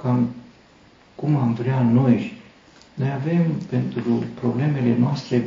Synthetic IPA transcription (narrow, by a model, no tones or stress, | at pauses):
kam | kumamvɾeanoj | nojave̞mpe̞nt̪ɾupɾo̞ble̞me̞le̞noast̪ɾe